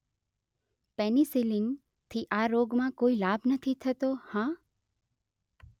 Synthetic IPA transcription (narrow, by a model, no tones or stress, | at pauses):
pɛnisilin | t̪ʰiʔaɾoɡmãkoilabʱnət̪ʰit̪ʰət̪ohã